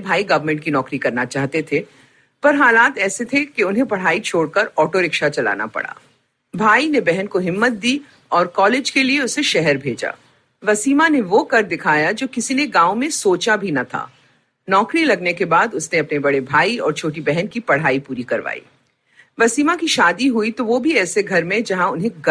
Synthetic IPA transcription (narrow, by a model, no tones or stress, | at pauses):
bʱaːiɡɐʋəɾmə̃ɳʈ̚kinɔːkɾikɐɾnat͡ʃaːɦt̪et̪ʰe | pɐɾɦaːlaːt̪ɛːset̪ʰekeʊnɦẽpɐɽ̤aːit͡ʃʰoːɽkɐɾɔːʈoɾɪkʃat͡ʃɐla̰ːna̰pɐ̰ɽ̤a̰ː | bʱaːinebɛɦɛnkoɦɪmːət̪̚d̪iː | ɔːɾkɔːleːd͡ʒkelieʊseʃɛɦɛɾbʱeːd͡ʒa̰ː | ʋɐsiːmaneʋokɐɾd̪ɪkʰaːjad͡ʒoːkɪsineɡãːomẽsoːt͡ʃabʱinɐt̪ʰa̰ː | nɔːkɾilɐɡnekebaːd̪ʊsneɐpnebɐɽebʱaːiɔ̰ːɾt͡ʃʰoːʈibɛɦɛnkipɐɽ̤aːipuːɾikɐɾʋa̰ːḭː | ʋɐsiːmãkiʃaːd̪iɦuit̪oʋobʱiɛːseɡʱɐɾmẽd͡ʒɐɦãʊnɦẽɡ